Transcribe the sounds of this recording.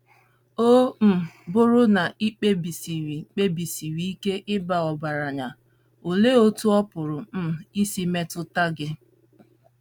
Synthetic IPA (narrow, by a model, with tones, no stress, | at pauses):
o˦m̩˨bʊ˦ɾʊ˦na˨ʔi˦k͡pe˦bi˨si˨ɾi˨k͡pe˦bi˨si˨ɾi˨i˦ke˦ʔɪ˦ba˨ɔ˨ba˨ɾa˨ɲa˨ | o˨le˦o˦tu˦ɔ˦pʊ˨ɾʊ˨m̩˦i˦si˦me˦tʊ˦ta˦ɡɪ˦